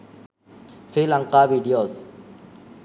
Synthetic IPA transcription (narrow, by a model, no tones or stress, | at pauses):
fɾilãŋqaʋiɖijoːs